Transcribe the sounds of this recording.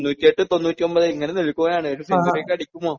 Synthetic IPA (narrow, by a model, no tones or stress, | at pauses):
nːuːtʲːieʈːɨt̪o̞nːuːtʲːio̞mbɐðɨiŋːɐneniɭikʲːuɐjaːɳɨeɾusinɡɐrekːɐɽikʲːumːoː